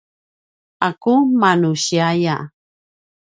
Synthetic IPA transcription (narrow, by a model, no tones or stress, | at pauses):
akumanuɕiaja̰